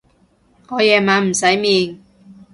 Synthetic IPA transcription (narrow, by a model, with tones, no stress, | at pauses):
ŋɔː˨˧jɛː˨˩maː˨˧nm̩˨˩sɐ˨˥jmiː˨˩n